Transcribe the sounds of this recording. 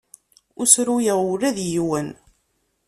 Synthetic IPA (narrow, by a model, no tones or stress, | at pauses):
ʊsɾujəʁʊɾæðjiwən